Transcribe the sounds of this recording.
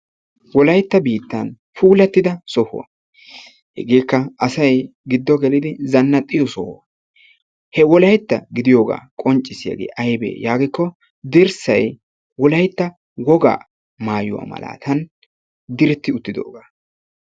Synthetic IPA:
wɔlɐjt̪ːɐbiːt̪ːɐn | fuːlɐt̪ːɪd̪ɐsɔhʊɐ̰ | hɛ̰ɡeːkːɐɐsɐjɡɪd̪ːɔɡɛlɪd̪ɪzɐnːɐt̪ʼːɪjɔsɔhʊɐ | hɛwɔlɐjt̪ːɐɡɪd̪ɪjoːɡa̰ːkʼɔnt͡ʃʼːɪsɪja̰ɡḛːʔɐjbḛːjaːɡɪkːɔ | d̪ɪɾsɐj | wɔlɐjt̪ːɐ | wɔɡa̰ː | maːjʊwa̰ːmɐ̰la̰ːt̪ʰɐn | d̪ɪɾɪt̪ːɪʊt̪ːɪd̪o̰ːɡaː

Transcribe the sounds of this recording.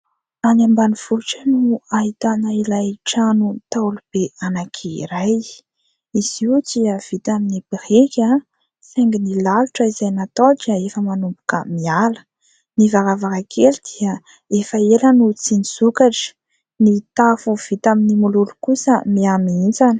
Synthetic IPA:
anambaniv̥uʈ͡ʂənuaɦit̪anəilajʈ͡ʂanut̪aulub̥eanakʰiɾaj | iz̥iut͡siəv̥it̪aminipirekʲa | feŋɡinilaluʈ͡ʂəizajnat̪oʈ͡ʂaefəmanumbukə̰mialə̥ | nivaɾavakakʰelid̪̥iə | efaelənut͡siniz̥ukaʈ͡ʂə̥ | nit̪afuv̥it̪aminimululu̥kusəmiamiind͡zanə̥

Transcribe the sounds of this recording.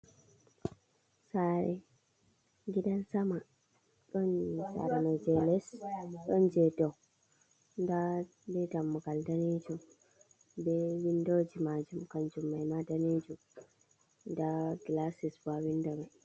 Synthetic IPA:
saɾɛ | ɡidansama | ɗɔnsa̰ɾanɔd͡ʒɛlɛsɗɔnd͡ʒɛdɔw | nda | dɛdamːuɡaldanid͡ʒum | bɛwindod͡ʒimad͡ʒumkand͡ʒumːajmadanid͡ʒum | ndaɡlasisbawindami

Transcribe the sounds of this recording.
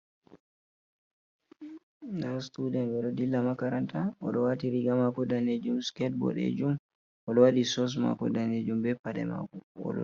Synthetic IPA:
nastudɛnwɛɗɔdilːamakaɾantaʔɔɗɔwatiɾiɡamakɔdaned͡ʒumskɛt̚bɔ̰ɗḛd͡ʒum | ʔɔɗɔwaɗisɔs̬ma̰kɔ̰daned͡ʒumbɛpaɗɛ̰ma̰kɔɔ̰ɗɔ̰

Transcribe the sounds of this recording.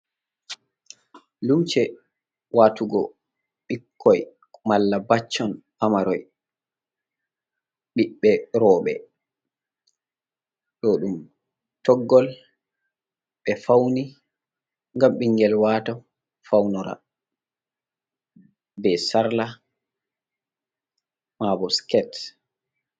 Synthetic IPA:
lut͡ʃɛ | waːtuɡɔ̰ | ɓikʰːɔj | malːabat͡ʃːɔnpamaɾɔj | ɓiɓːɛɾɔːɓɛ̰ | ɗɔɗum | tɔɡːɔl | ɓɛfawni | ŋɡamɓiŋɡɛlwatɔ | fawnɔɾa̰ | bɛsaɾla | mabɔskɛt

